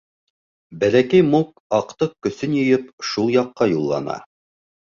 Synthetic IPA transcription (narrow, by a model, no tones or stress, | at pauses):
bælækæjmuk̚ | ɑqt̪ɤq̚kːɵ̆sɵnjɤ̆jɤpʃulˠjɑqːɑjulˠːɑ̰nɑ̰